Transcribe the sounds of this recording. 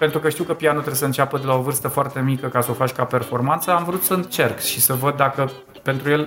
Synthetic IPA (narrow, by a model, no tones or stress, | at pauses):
pe̞nt̪ɾukəʃt̪iwkəpianut̪ɾeesəɨnt͡ʃʲapəd̪elao̞vɨrst̪əfoart̪e̞mikəkasəofat͡ʃʲkape̞rfo̞rmant̪səamvɾut̪səɨnt͡ʃe̞rkʃisəvəd̪ːakə | pe̞nt̪ɾuje̞l